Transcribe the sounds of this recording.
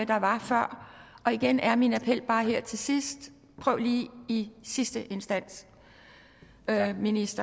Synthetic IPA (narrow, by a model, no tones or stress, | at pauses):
d̥ɑ̈ʋɑ̈fɶɐ̰ɒ̽iɡ̥enʔæɐminæpʰel̰b̥ɑ̈ːɦeɐ̰t͡sʰe̝sisd̥ | pʰʁœʊ̰liːisisd̥əʔe̝nsd̥æn̰s | minisd̥ɐ